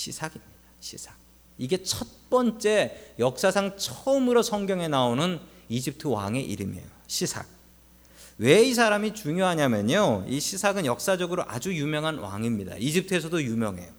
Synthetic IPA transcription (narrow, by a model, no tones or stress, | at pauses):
ɕʰisʰaɡimɲid̥aɕʰisʰḁɡ̚ | iɡe̞t͡ɕʰʌt̚p͈ʌnt͡ɕ͈e̞jʌk̚s͈asʰaŋt͡ɕʰʌɯmɯɾosʰʌŋɡjʌŋe̞naonɯn | id͡ʑip̚tʰɯwa̰ŋe̞ʔiɾɯmḛjoɕʰisʰa̰ɡ̚ | we̞is̬ʰaɾamit͡ɕuŋjoɦaɲamjʌɲoiɕʰisʰaɡɯnjʌk̚s͈ad͡ʑʌɡɯɾoʔad͡ʑujumjʌŋɦanwa̰ŋimɲida̰id͡ʑip̚tʰɯes̬ʰʌdojumjʌŋɦe̞̰